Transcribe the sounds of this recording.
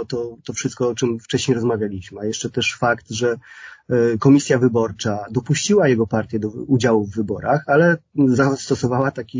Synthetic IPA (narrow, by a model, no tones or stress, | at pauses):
t̪ɔt̪ɔfʂɘst̪kɔɔt͡ʂɘmft͡ʂɛɕɲejɾɔzmavʲjalʲiɕmɘajɛʂt͡ʂɛt̪ɛʂfakt̪ʐɛ | kɔmʲisʲjavɘbɔɾt͡ʂad̪ɔpuɕt͡ɕiwajɛɡɔpaɾt̪ʲjɛd̪ɔud͡ʑawuvːɘbɔɾa̰xalɛzast̪ɔsɔvawat̪akʲi